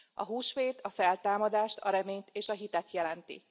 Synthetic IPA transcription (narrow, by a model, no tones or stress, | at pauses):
ɒɦuːʃʋeːt̪ɒfɛlt̪aːmɒd̪aːʃt̪ɒɾɛmeːɲt̪eːʃɒɦit̪ɛt̪jɛlɛnt̪ḭ